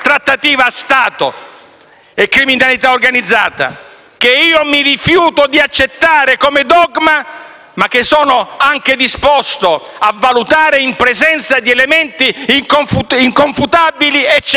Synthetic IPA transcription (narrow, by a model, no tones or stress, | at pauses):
t̪ɾat̪ːat̪iːvast̪aːt̪ʊ̰ | ekːɾiminalit̪aorɡanid̪zːaːt̪a̰ | keiːomirifjuːt̪ʊd̪iat͡ʃːet̪ːaːɾekomed̪ɔɡma | mak̟ːɪsɔːnʊaŋk̟ed̪ispɔst̪o | avːalut̪aːɾeimpɾezɛnt̪sad̪iɛlemɛnt̪iːŋkoɱfuiŋkoɱfut̪abiliɛt͡ʃː